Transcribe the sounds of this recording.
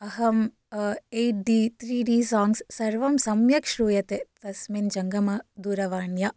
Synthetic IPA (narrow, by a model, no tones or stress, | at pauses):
ɐɦɐm | ejʈ̚ɖiːt̪ʰɾiːɖiːsaːŋɡsːɐɾʋɐmsɐmjɐkʂɾuːjɐt̪et̪ɐsmind͡ʒɐŋɡɐmɐd̪uːɾɐʋaːɳjɐ